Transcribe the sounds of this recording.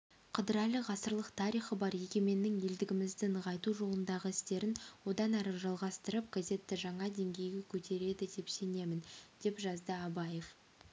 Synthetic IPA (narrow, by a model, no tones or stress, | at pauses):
qʰəd̪əɾɑləʁɑsəɾlˠəqt̪ʰɑɾijχəbɑɾje̞kʲe̞me̞nːɪŋje̞ld̪ɪɡʲɪmɪzd̪ɪnʁɑjt̪uʒo̞lˠənd̪ɑʁəɪst̪e̞ɾɪnwo̞d̪ɑnæɾəʒɑlˠʁɑst̪əɾəp̚ɡ̥aze̞t̪ːɪʒɑɴɑd̪e̞ŋɡʲe̞jɡʲe̞kʲʰɵt̪ʰe̞ɾe̞d̪ɪd̪e̞pse̞ne̞mɪnd̪e̞pʒɑzd̪əɑbɑje̞f